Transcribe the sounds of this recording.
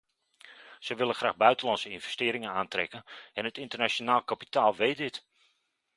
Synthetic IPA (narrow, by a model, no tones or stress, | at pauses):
səʋɪlˠəxraːxbœɥtənlɑntsəɪnvɛstɪəɾɪŋənaːntrɛ̰kənɛnətɪntərnat͡ʃonaːlˠkapi̥taːlˠʋejt̚dɪt